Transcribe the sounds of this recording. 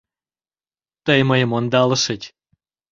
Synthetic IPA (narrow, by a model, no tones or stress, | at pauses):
t̪əjməjəmond̪ɑləʃətʲ